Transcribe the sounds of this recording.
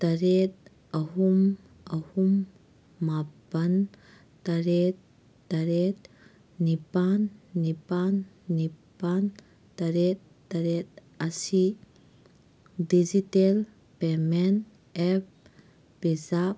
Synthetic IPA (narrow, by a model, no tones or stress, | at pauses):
t̪ɐɾet̪̚ | ɐɦum | ɐhumː | abɐn | tɐɾet̪̚ː | ɐɾet̪̚ | nipanːipanː | ipan | tɐɾet̪̚ | tːɐɾet̪̚ | ɐsi | did͡ʒitel | pemen | ɛp̚ʰ | bezap̚